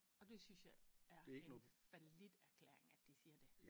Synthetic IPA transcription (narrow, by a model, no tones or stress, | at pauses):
ɒ̽d̥e̝synsjɑ̈ɪæɐdeeɡ̥nɔfælid̥æɐkʰlḛːɐ̰eŋæd̥isiːɐd̥e̝